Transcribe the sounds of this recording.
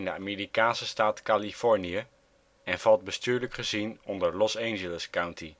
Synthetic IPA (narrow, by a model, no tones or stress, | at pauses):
ɪndəa̰ːmeːɾikaːnsəstaːtkalifɔɹnijə | ɛnv̥ɑlˠd̚bəstyːɹləkχəzinɔndəɹlɔsejnʒələskawnti